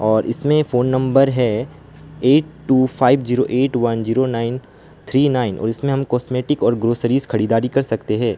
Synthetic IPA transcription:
ɔːɾʔɪsmẽfoːnːɐ̃mbəɾɦɛ | eːʈʈːuːfʰaːɪbziːɾoʔeːʈʋɐnziːɾonaːɪn | t̪ʰɾiːnaːɪnʔɔ̰ːɾɪsmẽɦɐmkɔːsmeːʈɪkɔːɾɡɾoːsəɾiːzkʰɐɽiːd̪aːɾikɐɾsɐkt̪eɦɛ̃ː

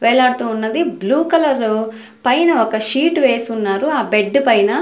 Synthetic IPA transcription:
ʋɛːɭaːɽut̪uːnːɐd̪ibluːkɐlɐɾ | pɐjnɐɔkɐʃiːʈʋe̞ːsunːaːɾuaːbeɖːupɐjnɐ

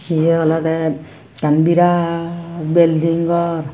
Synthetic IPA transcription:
kijɛɔlɔt̪ɛ | t͡ʃanbiɾa | beld̪ʱiŋɡɔɾ

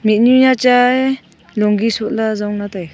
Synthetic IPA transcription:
mit̚nujat͡ʃaj | lɔŋɡisut̚lazawnataj

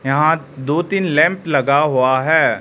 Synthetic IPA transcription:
jɐɦã | d̪oːt̪iːnlɛ̃ːmplɐɡaɦuaɦɛː

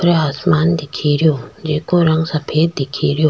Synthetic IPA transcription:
ɾɐaːsmaːnd̪ɪkʰiɾɪjoːd͡ʒeːkoɾɐ̃ŋɡsɐpʰeːd̪d̪ɪkʰiːɾɪjoː

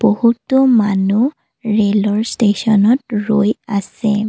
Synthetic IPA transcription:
b̥ohutɔmanu | ɹelɔɹstesɔnɔt̚ɹojasɛ

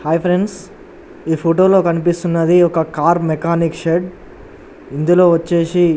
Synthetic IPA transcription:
haːjpʰɾeɳɖs | iːpʰoʈoːlo̞ːkɐnip̬ist̪unːɐd̪iɔkɐkaːɾmɛkaːnikʃeɖ | ind̪ulo̞ːʋɐt͡ʃːe̞ːsi

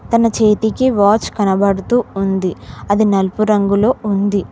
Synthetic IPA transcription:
t̪ɐnɐt͡ʃeːt̪ikiʋaːt͡ʃkɐnɐbɐɽut̪uːund̪iɐd̪inɐlupuɾɐŋɡulo̞ːund̪i

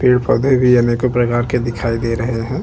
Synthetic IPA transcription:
peːɽpɐd̪ʱebʱijaːnekopɾɐkaːɾked̪ɪkʰaːid̪eːɾɐɦeɦɛ̃ː

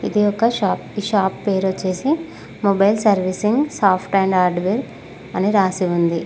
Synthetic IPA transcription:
id̪iɔkɐʃaːpiʃaːpːeːɾot͡ʃːe̞ːsi | mobɐjlsɐɾʋisiŋɡsaːpʰʈɛɳɖaːɾɖʋeɾ | ɐniɾaːsiund̪i

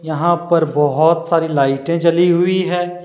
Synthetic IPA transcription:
jɐɦãpɐɾbɔɦʊt̪saːɾilaːɪʈẽt͡ʃɐliɦʊiɦɛ̃ː

